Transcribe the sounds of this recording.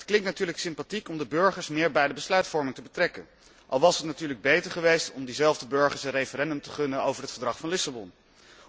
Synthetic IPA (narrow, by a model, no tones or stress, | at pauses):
ətklɪŋktnatyːɹləksɪmpatikɔmdəbɵɹχəɹsmɪːɹbɛjdəbəslœɥtfɔɹmɪŋtəbətrɛkən | ʔɑlˠʋɑsɦətnatyːɹləɡ̚bejtəɹχəʋejstɔmdizɛlˠvdəbɵɹχəɹsənrejfəɾɛndɵmtəχɵnənowvəɹɦətfəɹdrɑχfɑnlɪsabɔn